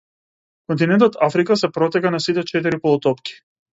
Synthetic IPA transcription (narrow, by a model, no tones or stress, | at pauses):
kɔnt̪̬inɛnt̪ɔt̪afɾikasɛpɾɔt̪ɛkanasit̪ɛt͡ʃɛt̪iɾipɔlˠɔt̪ɔpki̥